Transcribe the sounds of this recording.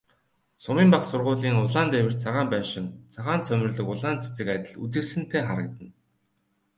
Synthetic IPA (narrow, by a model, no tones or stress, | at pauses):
sʊmiːmpaχsʊrʁʊːɮiːŋʊɮaːnt̪æwʲɘ̆r̥t͡sʰaʁaːmpæːʃɪ̆nt͡sʰaʁaːnt͡sʰœmʲɘ̆rɮə̆kʊɮaːnt͡se̥t͡sɘ̆kat̪ʲɪ̆ɮut͡sɘ̆ksɘ̆nt̪ʰeːχaɾə̆k̚t̪ə̆n